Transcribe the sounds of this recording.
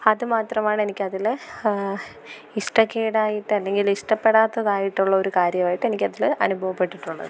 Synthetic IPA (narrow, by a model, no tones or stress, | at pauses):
ɐðɨmaːt̪rɐmaːɳe̞nikʲːɐðil | iʂʈɐkːeːɽaːjiʈːɨɐlːe̞ŋɡiliʂʈɐpːe̞ɽaːt̪ːɐðaːjiʈːuɭːɐo̞ɾukaːɾjɐmaːjiʈːe̞nikʲːɐðilɐ̰nubʱɐʋɐpːe̞ʈːiʈːuɭːɐ̰ðɨ